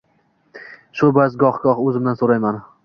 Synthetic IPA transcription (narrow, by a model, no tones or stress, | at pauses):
ʃʊbazɡɒχɡɒχɵzɪmd̪ansoɾajman